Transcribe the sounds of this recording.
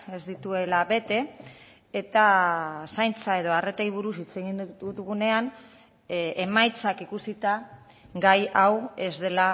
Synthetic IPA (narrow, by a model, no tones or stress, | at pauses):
e̞zd̪it̪ue̞laβe̞t̪e̞ | et̪asajnt͡sae̞ðo̞are̞t̪ejβ̞uɾusit͡seɣinut̪uɣune̞an | emajt͡sakikusit̪a | ɡajawe̞zðe̞la